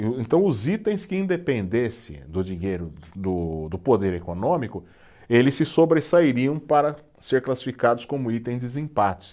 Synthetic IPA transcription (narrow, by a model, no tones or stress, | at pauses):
ẽnt̪ɐ̃w̃ʊzit̪ẽj̃skɪĩd̪epẽnd̪esɪ̰d̪ʊd͡ʒiɲejɾʊd̪ʊd̪ʊpod̪eɾekonõmikʊ | elɪsːɪsobɾesaiɾiɐ̃w̃paɾɐ | seɾklasi̥fikad̪ʊskõmʊit̪ẽj̃d͡ʒɪzĩpat͡ʃɪ̥s